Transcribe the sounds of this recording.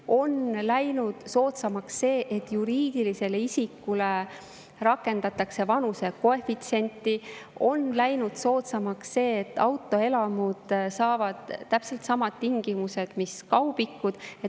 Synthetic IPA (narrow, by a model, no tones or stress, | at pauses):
o̞nlæjnud̪̥so̞ːt̪sɑmɑksːe̞ːʔet̪ːjuɾiːd̪̥ilise̞leisikːule̞ | ɾɑkːˑe̞nd̪̥ɑt̪ːˑɑkse̞vɑnuse̞ko̞e̞fit̪se̞nʲt̪ːˑio̞nlæjnud̪̥so̞ːt̪sɑmɑksːe̞ːt̪ːɑwt̪ːˑo̞e̞lɑmud̪̥sɑːvɑd̪̥ːæpse̞lt̪sɑmɑd̪̥t̪iŋɡ̥imuse̞d̪̥miskɑwb̥ikːud̪̥e